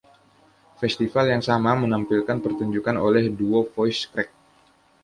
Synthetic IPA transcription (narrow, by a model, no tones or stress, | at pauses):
fɛst̪ifaljaŋsamamənampilkanpərt̪uɲd͡ʒukanolɛhduofɔjskɾɛk̚